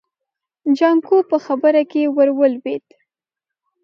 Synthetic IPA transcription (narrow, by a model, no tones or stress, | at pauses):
d͡ʒɑŋkopəxabəɾakewəɾwəlwet̪